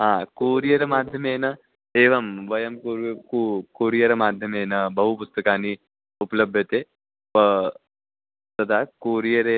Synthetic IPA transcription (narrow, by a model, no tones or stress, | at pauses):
ɦãːkuːɾijɐɾɐmaːd̪ʱjɐmeːnɐ | eːʋɐmʋɐjɐmkuːɾkukuːɾijɐɾɐmaːd̪ʱjɐmeːnɐbɐɦupʊst̪ɐkaːni | ʊplɐbʱjɐt̪e | pɐ | t̪ɐd̪ʰʱakuːɾijɐɾe